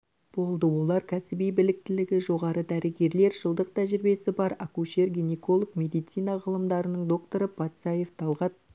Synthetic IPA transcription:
b̥o̞lˠd̪əwo̞lˠɑɾkʲʰæsɪbijbɪlɪk̚t̪ɪlɪɡʲɪʒo̞ʁɑɾəd̪æɾɪɡʲe̞ɾle̞ɾʒəlˠd̪əq̚t̪ʰæʒɪɾbe̞sɪbɑɾɑkuʃe̞rɡʲinʲeko̞lˠokmʲe̞d̪ijt̪sijnɑʁəlˠəmd̪ɑɾənəɴd̪o̞kt̪o̞ɾəpʰɑt̪sɑje̞ft̪ʰɑlˠʁɑt̪̚

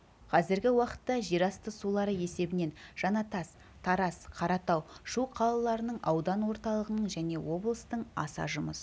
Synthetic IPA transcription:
qʰɑzɪɾɡʲɪwɑqə̥t̪ːɑʒiɾɑst̪əsulˠɑɾəje̞se̞bɪne̞nʒ̥ɑnɑt̪ɑs | t̪ʰɑɾɑsqʰɑɾɑt̪ɑwʃuqʰɑlˠəlˠɑɾənəɴʔɑwd̪ɑnwo̞ɾt̪ɑlˠəʁənəɴʒæne̞wo̞blˠəst̪əɴɑ̰sɑ̰ʒʊməs

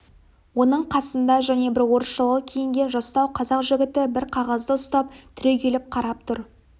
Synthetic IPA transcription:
wo̞nəɴqʰɑsənd̪ɑʒæne̞bɪɾwo̞ɾəsʃəlˠəʁəkʲʰejɪŋɡʲe̞nʒɑst̪ɑwqʰɑzɑqʒɪɡʲɪt̪ɪbɪɾqʰɑʁɑzd̪əʊst̪ɑp̚t̪ʰʏɾe̞kʲʰe̞lɪp̚qʰɑɾɑp̚t̪ʰʊɾ

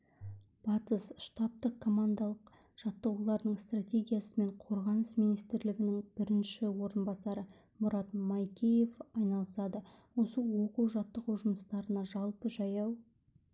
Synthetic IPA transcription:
b̥ɑt̪əsʃt̪ɑp̚t̪əqkʰo̞mand̪ɑlˠəq | ʒ̥ɑt̪ːəʁulˠɑɾd̪əɴst̪rat̪ʲe̞ɡʲijasəme̞ɴqʰo̞ɾʁɑnəsmijnijst̪ɪɾlɪɡʲɪnɪŋb̥ɪɾɪnʃɪwo̞ɾənbɑsɑɾə | mʊɾɑt̪mɑjkʲʰejefɑjnɑlˠəsɑd̪ə | wo̞səwo̞quwʒɑt̪ːəʁuwʒʊməst̪ɑɾənɑʒɑlˠpəʒɑjɑw

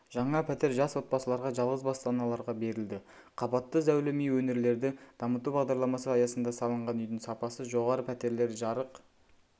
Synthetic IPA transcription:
ʒ̥ɑɴɑpʰæt̪e̞ɾʒɑswo̞t̪̚bɑsəlˠɑɾʁɑʒɑlˠʁəzbɑst̪ɑnɑlˠɑɾʁɑbe̞ɾɪld̪ɪ | qʰɑbɑt̪ːəzæwlɪmijwɵne̞ɾle̞ɾd̪ɪd̪̥ɑmət̪ubɑʁd̪ɑɾlˠɑmɑsəɑjɑsənd̪ɑsɑlˠəɴʁɑnʏjd̪ɪŋsɑpɑsəʒo̞ʁɑɾəpʰæt̪e̞ɾle̞ɾʒɑɾəq

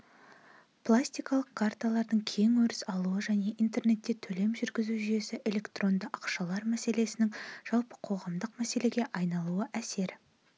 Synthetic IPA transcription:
pʰlˠasʲt̪ijkɑlˠəqkʰːart̪alˠɑɾd̪əɴkʲʰe̞ŋwɵɾɪsɑlˠuəʒæne̞ʔint̪e̞rne̞t̪ːe̞t̪ʰɵle̞mʒʏɾɡʲɪzuʒyje̞sɪʔe̞lʲe̞kt̪ro̞nd̪əʔɑqʃɑlˠɑɾmæse̞le̞sɪnɪŋʒ̥ɑlˠpə̥qʰo̞ʁɑmd̪əqmæse̞le̞ɡʲe̞ʔɑjnɑlˠuəʔæse̞ɾ

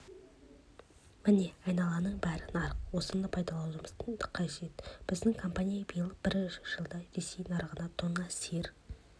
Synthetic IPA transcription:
mɪne̞ɑjnɑlˠɑnəɴbæɾɪnɑɾəqwo̞sənd̪ɑpʰɑjd̪ɑlˠɑw̪ˠɾməz̥t̪ʰənd̪ə̥qʰːɑʒe̞t̪b̥ɪzd̪ɪŋkʰo̞mpanʲijɑbəjəlˠəb̥ɪɾʏʃɪʒ̥əlˠd̪ɑɾe̞se̞jnɑɾəʁənɑt̪ʰoɴɑseɾ

